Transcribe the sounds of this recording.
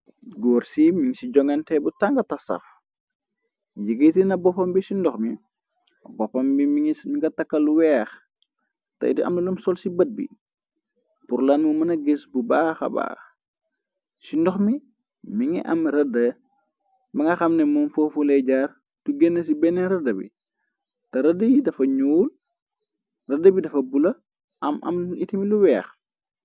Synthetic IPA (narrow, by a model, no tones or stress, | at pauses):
ɡɔːrsimiŋsiɟɔŋɛntɛbutaŋɡɐtɐsɐ̰f | jiɡitinɐbɔpːɐmbisindɔxmi | bɔpːɐmbimimiŋɡɐtɐkːɐluwɛːx | tɐ̰jdiʔɐ̰mnɐlumsɔlsibət̚bḭ | purlɐnmumɐnɐɡesbubaːxɐ̰ba̰ːx | sindɔxmi | miŋɛ̰ʔɐ̰mrɐdɐ | miŋɡɐxɐmnɛmunfoːfulɛɟaːr | tuɡɛnːɐs̬ibɛnɛɾɐdɐbḭ | tɐɾɐdɐjidɐfɐɲuːl | rɐdɐbidɐfɐbulɐ | ʔɐmɐ̰mitimiluwɛːx